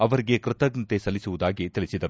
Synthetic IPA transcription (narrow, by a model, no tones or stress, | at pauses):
ɐʋɐɾiɡekɾɪt̪ɐɡnɐt̪esɐlːisuʋud̪aːɡit̪ilisid̪ɐɾu